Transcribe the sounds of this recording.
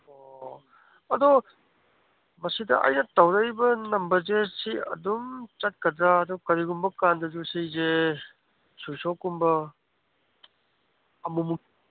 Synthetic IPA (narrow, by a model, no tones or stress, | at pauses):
o | ɐdɔ | mɐsidɐ̰ʔɐ̰jnɐtɐwɾɐjbɐnɐmbɐɾzesiɐ̰dumt͡ʃɐt̚kɐdɾaːdɔkɐɾiɡumbɐkandɐd͡ʒusijze | sujsokːumbɐ | ɐmumu